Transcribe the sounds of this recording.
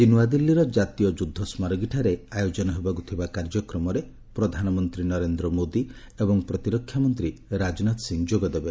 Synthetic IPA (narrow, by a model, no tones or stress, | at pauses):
d̪inuwad̪ilːiɾɔd͡ʒat̪ijɔd͡ʒud̪ʱːɔsmaɾɔɡiʈʰaɾeajod͡ʒɔnɔɦebakut̪ʰibakaɾd͡ʒɔkɾɔmɔɾe | pɾɔd̪ʱanɔmɔnt̪ɾinɔɾend̪ɾɔmod̪i | ebɔŋpɾɔt̪iɾɔkʰːjamɔnt̪ɾiɾad͡ʒɔnat̪ɔsiŋd͡ʒoɡɔd̪ebe